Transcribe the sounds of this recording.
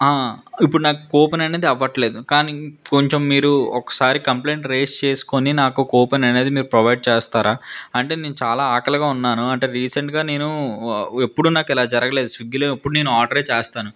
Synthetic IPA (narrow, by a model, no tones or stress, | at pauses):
aːipːuɽunaːku̥koːpɐnɐneːd̪iɐʋːɐʈle̞ːd̪ukaːnikoɲt͡ʃemːiːɾuɔkɐ̥saːɾikɐmpleːɳʈɾeːst͡ʃe̞ːsu̥koninaːkukɔːpɐnɐne̞ːd̪imiːɾupɾɐʋɐjɖ̚t͡ʃeːst̪aːɾaːɐɳʈe̞ːneːnut͡ʃaːlaːaːkɐlɐɡaːunːaːnuɐɳʈe̞ːɾiːsɐɳʈɡaːne̞ːnu | epːuɽunaːkɛlaːd͡ʒɐɾɐɡɐleːd̪usʋiɡːiloːepːuɽune̞ːnuaːɖɐɾe̞ːt͡ʃeːst̪aːnu